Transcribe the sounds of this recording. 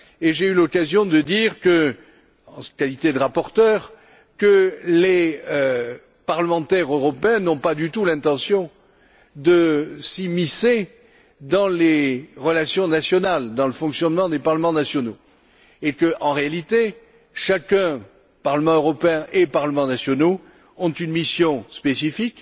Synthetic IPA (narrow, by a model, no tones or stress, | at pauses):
eʒeylɔkazjɔ̃d̪əd̪iʁkə | ɑ̃skalit̪ed̪əʁapɔʁt̪œːʁ | kəleø | paʁləmɑ̃t̪ɛʁøʁɔpeɛ̃nɔ̃pad̪yt̪ulɛ̃t̪ɑ̃sjɔ̃ | d̪əsimise | d̪ɑ̃leʁəlasjɔ̃nasjɔnald̪ɑ̃ləfɔ̃ksjɔnmɑ̃d̪epaʁləmɑ̃nasjɔno | ekəʔɑ̃ʁealit̪e | ʃakɛ̃ | paʁləmɑ̃øʁɔpeɛ̃ʔepaʁləmɑ̃nasjɔno | ɔ̃t̪ynmisjɔ̃spesifik